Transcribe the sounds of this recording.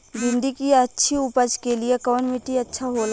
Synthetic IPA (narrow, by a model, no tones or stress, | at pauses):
bɪ̃nd̪ikiɐtːʃʰiʊpəd͡ʒkeliekɔːnmiʈiɐtːʃʰaɦoːl